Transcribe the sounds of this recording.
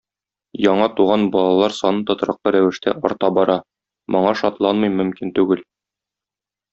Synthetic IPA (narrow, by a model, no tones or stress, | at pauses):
jɒɴɑt̪uʁɑnbɒlˠɑlˠɑɾsɒnɤnt̪ŏt̪ɾɑq̚lˠɤɾæwɘ̆ʃt̪æ̰ʔɒ̰ɾt̪ɑbɒɾɑ | mʔŏɴɑʃɒt̪lˠɑnmɤjmɵ̆mkint̪ʉɡɘl